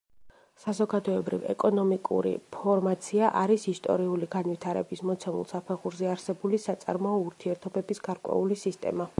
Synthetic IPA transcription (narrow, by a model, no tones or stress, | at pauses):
sazɔɡad̪ɔɛbɾḭvɛ̰kʼɔnɔmikʼṵɾḭpʰɔɾmat̪sʰiaʔaɾisist̪ʼɔ̰ɾiuliɡanvit̪ʰaɾɛ̰bismɔt̪sʰɛmṵlˠsapʰɛʁuɾzɛaɾsɛbulisat̪sʼa̰ɾmɔɔuɾt̪ʰiɛɾt̪ʰɔbɛbisɡ̥aɾkʼwɛ̰ulisist̪ʼɛ̰ma